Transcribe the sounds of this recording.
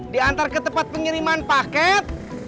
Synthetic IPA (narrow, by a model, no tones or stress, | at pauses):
diant̪aɾakət̪əpat̪̚pəŋiɾimanpakɛt̪̚